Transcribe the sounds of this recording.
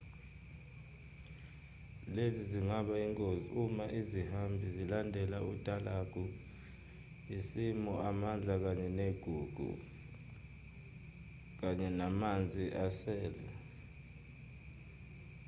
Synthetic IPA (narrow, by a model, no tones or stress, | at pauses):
leziziŋaɓaiŋkʼoziumaʔizihambʱizilandʱɛlaud̥ʼʱalaɡ̥ʱu | isimɔamand͡ɮʱak̬aɲɛneɡ̥ʱṵɡ̥ʱṵ | k̬aɲɛnamand͡zʱiʔasɛːlɛ̰